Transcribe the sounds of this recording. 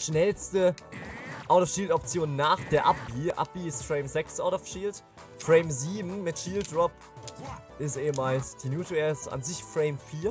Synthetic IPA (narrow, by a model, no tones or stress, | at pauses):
ʃnɛlstə | ʔaʊtɔfʃiːltɔp̚t͡sjoːnːaːχd̥eːɐʔap̚b̥iːʔa̰p̚b̥iːɪstfʁ̥eɪmzɛksʔaʊtɔfʃiːlt | fʁeɪmziːbm̩mɪtʃiːlt̚d̥ʁɔp | ʔɪstʔeːəmaːlsd̥iːnjuːtɛsʔa̰nzɪçfʁeɪmfiːɐ